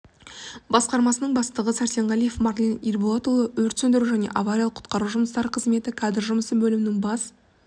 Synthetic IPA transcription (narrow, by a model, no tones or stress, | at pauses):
bɑsqɑɾmɑsənəɴbɑst̪əʁəsæɾt̪ʲeɴʁɑlijefmɑrlʲinirboat̪ulˠəwɵɾt̪sɵnd̪ɪɾuʒæne̞̰ʔɑvaɾʲijɑlˠəqʰʊ̥t̪qɑɾuʒʊməst̪ɑɾqʰəzme̞t̪ɪkʰɑd̪ɾʒʊməsəbɵlɪmɪnɪŋbɑs